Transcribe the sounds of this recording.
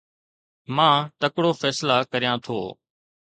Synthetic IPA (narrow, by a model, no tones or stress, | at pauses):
mãːt̪əkɽoːfɛːslaːkəɾijãːt̪ʰo̰ː